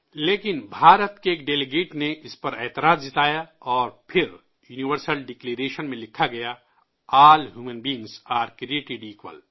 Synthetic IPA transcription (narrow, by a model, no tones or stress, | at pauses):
leːkɪnbʱaːɾət̪keeːkɖeːleɡeːʈneɪspɐɾɛːt̪ɪɾaːzd͡ʒɪt̪aːjaɔːɾpʰɪɾ | juːniʋəɾsəlɖɪkleːɾeːʃənmẽlɪkʰːaɡɐja | aːlɦjuːmə̃nbiːŋɡsaːɾkɾieːʈɪɖiːkwə̰l